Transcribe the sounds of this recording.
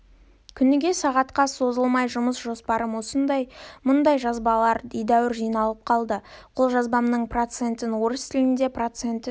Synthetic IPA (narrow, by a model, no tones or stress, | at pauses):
kʲʰʏnɪɡʲe̞sɑʁɑt̪qɑso̞zəlˠmɑjʒʊməsʒo̞spɑɾəmwo̞sənd̪ɑjmʊnd̪ɑjʒɑzbɑlˠɑɾd̪ejd̪æwɪɾʒijnɑlˠəp̚qʰɑlˠd̪əqʰo̞lˠʒɑzbɑmnəɴprot̪se̞nt̪ɪnwo̞ɾəst̪ʰɪlɪnd̪e̞prot̪se̞nt̪ɪ